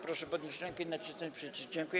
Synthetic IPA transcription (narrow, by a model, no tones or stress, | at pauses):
pɾɔʂɛpɔd̪ɲeɕɾɛŋkɛinat͡ɕɪst̪ɛt͡ɕpʂɛt͡ɕiʂd͡ʑɛŋkuj